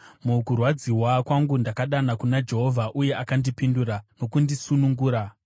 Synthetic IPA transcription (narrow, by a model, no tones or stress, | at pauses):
mukurwad͡ziwakwaŋɡundakaɗanakunad͡ʒe̞ɦo̞vʱaʔuje̞ʔakandipinduɾano̞kundisunuŋɡuːɾa